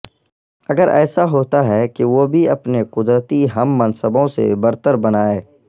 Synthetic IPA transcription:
ɐɡəɾʔɛ̰ːsaɦoːt̪aɦɛkiʋobʱiɐpneqʊd̪ɾət̪iɦɐmːɐnsəbõsḛbɐɾt̪əɾbɐnaːeː

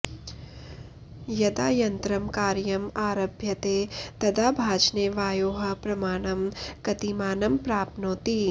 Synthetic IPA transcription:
jɐd̪aːjɐnt̪ɾɐmkaːɾjɐmaːɾɐbʱjɐt̪eːt̪ɐd̪aːbʱaːt͡ʃneːʋaːjoːɦɐ̆pɾɐmaːɳ̃ɐmkɐt̪imaːnɐmpɾaːpnoːt̪i

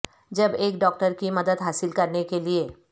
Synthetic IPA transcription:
d͡ʒɐbeːkɖɔːk̚ʈəɾkimɐd̪əd̪ɦaːsɪlkɐɾnekelie

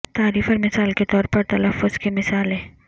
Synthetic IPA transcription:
t̪aːɾiːfɔɾmɪsaːlket̪ɔːɾpɐɾt̪ɐlɐfːʊz̥kemɪsaːlɦɛ̃ː

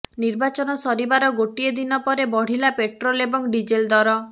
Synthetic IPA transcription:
niɾbat͡ʃɔnɔsɔɾibaɾɔɡoʈied̪inɔpɔɾebɔɽ̤ilapeʈɾolebɔŋɖid͡ʒeld̪ɔɾɔ

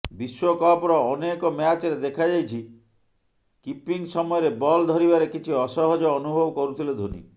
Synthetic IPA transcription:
biswɔkɔpɾɔːnekɔmat͡ʃɔɾed̪ekʰad͡ʒajt͡ʃʰi | kipiŋsɔmɔjɔɾebɔld̪ʱɔɾibaɾekit͡ʃʰiɔsɔɦɔd͡ʒɔːnubʱɔbɔkɔɾut̪ʰiled̪ʱunḭ

